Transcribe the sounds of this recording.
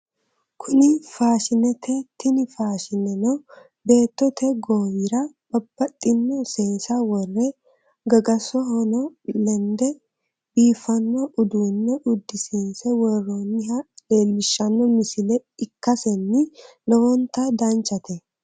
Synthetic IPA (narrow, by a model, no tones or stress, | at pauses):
kʰʊnɪfaːʃɪnɛt̪ʰɛt̪ːɪnɪfaːʃɪnɛnɔ | be̞ːt̪ːɔt̪ʰɛɡoːwɪɾɐb̥ɐb̥ːɐt̪ʼːɪnːɔseːnsɐwɔrːɛ | ɡɐɡɐsɔɦɔnɔlɛnd̪ɛ | biːfɐnːɔʔʊd̪uːnːɛʔʊd̪ːɪseːnsɛwɔrːonːɪhɐle̞ːlːɪʃːɐnːɔmɪsɪlɛɪkːɐsɛnːɪ | lɔwɔnt̪ad̪ant͡ʃʼːɐt̪ɛ